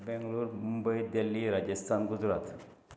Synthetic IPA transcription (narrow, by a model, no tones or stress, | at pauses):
bɛ̃ŋɡluːɾmumbəid̪elːiɾad͡ʑəst̪ʰanɡud͡zɾat̪